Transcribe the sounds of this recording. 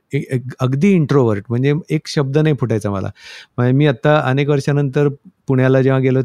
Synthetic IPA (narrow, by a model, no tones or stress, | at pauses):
eekəɡd̪iːiɳʈɾoʋəɾʈm̤əɳd͡zeekɕəb̚d̪ənajpʰuʈajt͡samə̰la̰m̤əmiːat̪ːaə̰nek̬ʋəɾɕanənt̪əɾpuɽjalad͡ʑeʋaɡelə